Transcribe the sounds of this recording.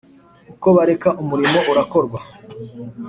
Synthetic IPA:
uko̞βaɾe̞kaʔumuɾimo̞uɾako̞ɾɡwa

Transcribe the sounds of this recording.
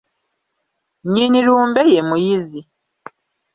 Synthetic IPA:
ɲiːniɾuːmbejemujizi

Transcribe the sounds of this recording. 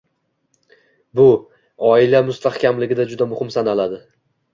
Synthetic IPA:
bʊ | ɒɪlamʊst̪ʰahkʲamlɪɡʲɪd̪ad͡ʒʊd̪amʊhɪmsanalad̪ɪ

